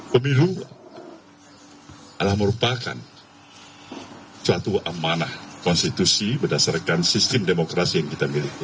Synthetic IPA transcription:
pəmilu | ʔalahməɾupaka̰n | suat̪uamanahkɔnst̪it̪usibərdasarkansist̪ɪmdemokɾasijaŋkit̪amilih

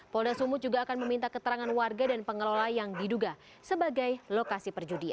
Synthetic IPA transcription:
pɔldasumud͡ʒuɡaːkanməmint̪akət̪əɾaŋanwarɡadanpəŋəlolajaŋdiduɡa | səbaɡajlokasipərd͡ʒudia̰

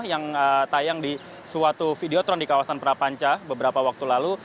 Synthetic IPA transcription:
jaŋət̪ajaŋdi | suat̪ufideot̪ɾɔndikawasanpəɾapaɲt͡ʃabəbəɾapawak̚t̪ulalu

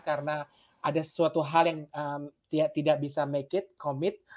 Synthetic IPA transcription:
kaɾəna | adasə̥suat̪uɦaljaŋəmt̪idaʔt̪idaʔ̚bisamekɪt̪̚komɪt̪̚

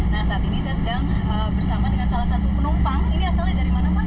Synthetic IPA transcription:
nahsaːt̪inisajasəkaɾaŋ | ə | bərsamadəŋansalahsat̪upənumpaŋiniasalɲadaɾimanapa

